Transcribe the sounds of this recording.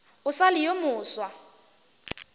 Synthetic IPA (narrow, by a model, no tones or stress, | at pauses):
ʊsalɪjomʊːswa